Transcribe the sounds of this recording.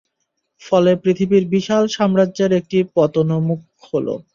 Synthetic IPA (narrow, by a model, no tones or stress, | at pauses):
fɔlepɾit̪ʰibiɾbiʃalʃɔmɾadʑeɾek̚ʈipɔt̪onomuk̚ | holo̰